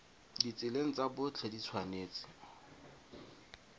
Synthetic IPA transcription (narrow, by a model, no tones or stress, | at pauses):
dit͡sɪleŋ̩t͡sabʊt͡ɬʰɛdit͡sʰwaneːt͡sʼɪ̥